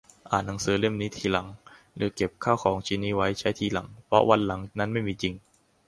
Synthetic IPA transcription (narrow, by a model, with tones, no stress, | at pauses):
ʔa̰ː˨˩nna˩˦ŋsɯː˩˦le˥˩mniː˦˥t̪ʰiː˧la˩˦ŋ | lɯː˩˦ke˨˩p̚kʰaː˥˩wkʰɔː˩˦ŋt͡ɕʰiː˧niː˦˥wa˦˥jt͡ɕʰa˦˥jt̪ʰiː˧la˩˦ŋpʰɾɔ˦˥wa˧nla˩˦ŋna˦˥nma˥˩jmiː˧t͡ɕi˧ŋ